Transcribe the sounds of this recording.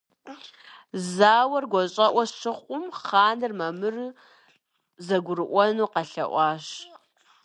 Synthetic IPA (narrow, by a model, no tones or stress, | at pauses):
zaːwɐrɡʷɔɕʼɐʔʷɐʃʰɨχʷʼʊmχaːnɨrmɐmɨr | zɐɡʷʊɾɨʔʷɔnuːqɐɬɐ̰ʔʷɑːɕ